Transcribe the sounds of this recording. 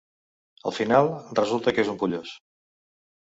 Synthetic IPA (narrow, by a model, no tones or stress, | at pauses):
ə̰lˠfinalˠrəzulˠt̪əkezumpuʎos